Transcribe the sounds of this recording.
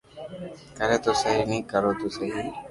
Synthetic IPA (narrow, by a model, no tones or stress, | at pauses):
kəɾeːt̪oːsəɦiːnĩːkəɾoːt̪oːsəɦiː